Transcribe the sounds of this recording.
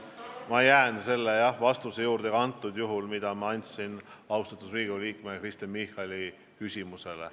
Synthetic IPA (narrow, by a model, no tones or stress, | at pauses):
mɑjæːnse̞lːejɑhvɑst̪usejuːɾd̪̥e̞kɑnt̪ːˑud̪̥juɦulmid̪̥ɑmɑɑnʲt̪sinɑwst̪ɑt̪ːˑusriːɡ̥uliːkmekrist̪emihɑlʲi | kysʲimuse̞lḛ